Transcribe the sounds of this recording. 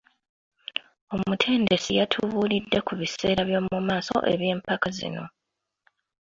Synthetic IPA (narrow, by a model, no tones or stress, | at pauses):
o̞mutʰe̞ːnde̞sijatʰuβulidːe̞kuβise̞ːɾaβjo̞ːmumaːso̞̰ʔe̞̰βje̞ːmpakazḭno̞